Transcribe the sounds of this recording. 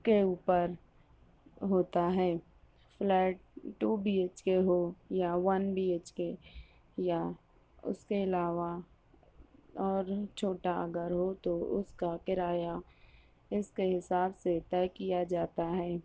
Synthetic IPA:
keuːpəɾ | ɦoːt̪aɦɛː | pʰlɛːʈ̚ːuːbiːeːt͡ʃkeɦojaʋənbieːt͡ʃke | ja | ʊ̰skeɪlaːʋa | ɔːɾt͡ʃʰoːʈaɐɡəɾɦot̪oʊ̰skakɪɾaːja | ɪskeɦɪsaːbset̪ɛːkijad͡ʒaːt̪aɦɛː

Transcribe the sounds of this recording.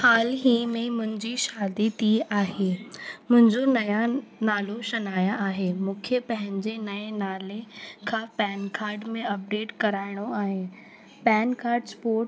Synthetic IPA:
haːlɦĩːmẽmʊ̃ɦɪ̃ɲd͡ʑiʃaːd̪it̪iːaːɦeːmʊ̃ɦɪ̃ɲd͡ʑonɐjanaːloʃɐnaːjaʔaːɦemũːkʰepɐ̃ɦɪ̃ɲd͡ʑenɐenaːlekʰãpɛːnkʰaːɾɖmẽɐp̚ɖeːʈkɐɾaːɪɽ̃oaːɦe | pɛːnkʰaːɾɖspoːɾʈ

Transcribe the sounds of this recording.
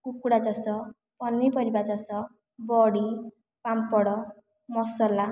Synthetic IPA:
kukuɽad͡zʌsʌ | pʌnːipʌɾibad͡zʌsʌ | bʌɽi | pampɔɽʌ | mʌsʌla

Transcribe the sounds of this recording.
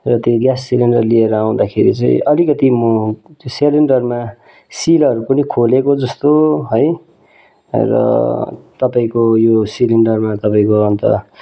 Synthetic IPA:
rʌt̪joɡjasːilinɖʌrlieɾʌaw̃d̪akʰeɾḭt͡sʌ̰ḭ̃ʌlikʌt̪imʌt̪joseliɳɖʌrma | silʌɾupʌnikʰolekod͡zʌst̪oɦʌj | rʌ̰t̪ʌpaĩkojosiliɳɖʌrmat̪ʌpaĩkoʌnt̪ʌ̰

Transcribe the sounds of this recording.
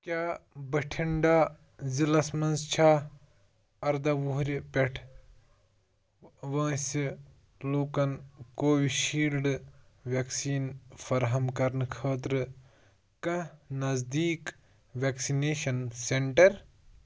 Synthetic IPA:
kʲjaːbɐʈʰiɳɖaː | zilɐsmɐnzt͡ʃʰa | ɐɾd̪ɐʋuɦɾipeʈʰ | ʋɐ̃ːsi | loːkɐnkoːʋiʃiːlɖ | ʋeksiːnfɐɾɦɐmkɐɾnɨkʰɐːt̪ɾɨ | kɐ̃nɐzd̪iːk | ʋeksineːʃɐnseɳʈɐɾ

